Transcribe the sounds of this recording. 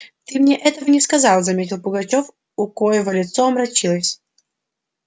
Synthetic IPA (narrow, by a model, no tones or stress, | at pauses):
t̪ɨmnʲeʔɛt̪əvənʲɪskɐzɑlˠzɐmʲetʲɪlˠpʊɡɐt͡ɕof | ʊkojɪvəlʲɪt̪soɐmɾɐt͡ɕilˠəsʲ